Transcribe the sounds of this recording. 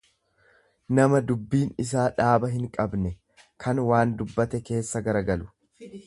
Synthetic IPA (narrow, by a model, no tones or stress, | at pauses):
nɐmɐd̪ʊbːiːnɪs̬aːᶑaːbɐɦɪŋkʼɐbnɛ | kʰɐnwaːnd̪ʊbːɐt̪ɛke̞ːsːɐɡɐɾɐɡɐlʊ̥